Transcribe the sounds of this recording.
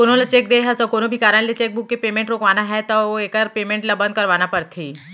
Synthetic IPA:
koːnõlɐt͡ʃeːk̚d̪eːɦɛsɔkoːnõbʱikaːɾə̃let͡ʃeːk̚bʊkːepeːmẽɳʈɾoːkʋaːnaɦɛt̪ɔoeːkəɾpeːmẽɳʈlabɐ̃nd̪̚kɐɾʋaːnapɐɾt̪ʰiː

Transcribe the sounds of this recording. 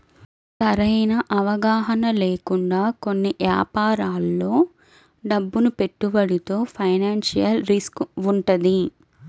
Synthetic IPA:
sɐɾɐjnɐʔɐʋɐɡaːɦɐnɐle̞ːkuɳɖaːko̞nːiʋja̰ːpaːɾaːlːo̞ː | ɖɐbːunupe̞ʈːuʋɐɽit̪oːpʰɐjnaːnʃijɐlɾiskuɳʈɐd̪i

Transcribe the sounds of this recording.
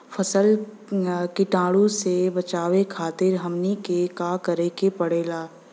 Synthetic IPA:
fʰɐsəl | kiʈãːɽũsebɐt͡ʃaːwekʰaːt̪ɪɾɦɐmnikekaːkɐɾekepɐɽeːlaː

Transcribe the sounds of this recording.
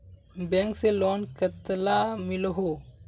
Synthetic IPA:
bɛ̃ːŋkselɔːnkət̪lamɪlɦoː

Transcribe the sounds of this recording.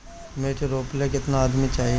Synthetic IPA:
meːʈɾoːplekɪt̪naːd̪mit͡ʃaːɦi

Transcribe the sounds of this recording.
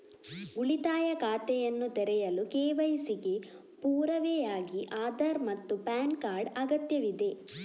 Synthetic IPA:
uɭit̪aːjɐkaːt̪ɛjɐnːut̪ɛɾɛjɐlukeːʋɐjisiɡe̞ | puːɾɐʋɛjaːɡiʔaːd̪ɐɾmɐt̪ːupaːnkaːɾɖɐɡɐt̪jɐʋid̪e̞

